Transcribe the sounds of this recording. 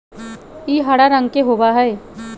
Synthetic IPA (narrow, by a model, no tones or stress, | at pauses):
iːɦɐɽaɾə̃ŋɡkeɦoːbaɦɛː